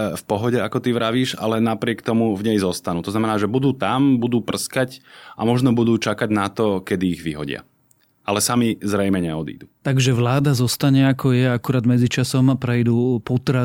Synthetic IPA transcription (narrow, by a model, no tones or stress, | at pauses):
fpɔɦɔɟɛakɔt̪iʋɾaʋiːʒa̰lɛnapɾɪɛkt̪ɔmuvɲɛjzɔst̪anuːt̪ɔznamɛnaːʒɛbud̪uːt̪ambud̪uːpr̩skacamɔʒnɔbud̪uːt͡ʃakaɟnat̪ɔkɛd̪iːɣʋiɦɔ̰ɟɪa̰ | ʔalɛsamizɾɛjmɛɲɛɔd̪ḭːd̪ut̪aɡʒɛʋlaːd̪azɔst̪aɲɛakɔjɛakuɾaːd̪mɛd͡zit͡ʃasɔmpɾɛjd̪uːpɔt̪ɾa